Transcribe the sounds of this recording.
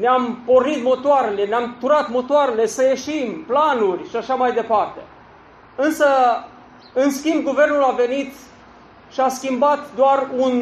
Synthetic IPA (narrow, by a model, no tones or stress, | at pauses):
neampo̞rnit̪mo̞t̪oaɾe̞le̞neamt̪uɾat̪mo̞t̪oaɾele̞səjeʃimplanurʲʃiaʃamajd̪e̞part̪e̞ | ɨnsə | ɨnskʲimb̚ɡuve̞rnulave̞nit̪ | ʃiaskʲimbat̪d̪oarun